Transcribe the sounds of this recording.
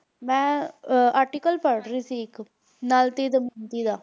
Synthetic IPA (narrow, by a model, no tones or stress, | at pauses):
mɛ̃ːaːɾʈikəlpəɾɽɾiːsiːɪk | naːlt̪iːd̪əmint̪iːd̪aː